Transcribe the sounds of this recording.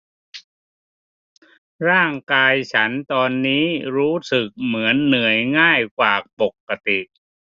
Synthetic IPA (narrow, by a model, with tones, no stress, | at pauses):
ɾaː˥˩ŋkaː˧jt͡ɕʰa˦˥nt̪ɔː˧nːiː˦˥ɾuː˦˥sɯ˨˩k̚mɯ˩˦ənːɯ˨˩əjŋaː˥˩jkwaː˨˩k̚po˨˩kːa˧t̪i˨˩ʔ